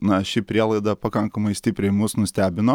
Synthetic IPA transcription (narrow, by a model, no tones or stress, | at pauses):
nɐʃʲɪpʲɾʲiɛlˠɐɪd̪ɐpɐkɐŋkɐmɐɪsʲt̪ʲɪpʲɾʲɛɪmʊsnʊsʲt̪ʲæːbʲɪnoː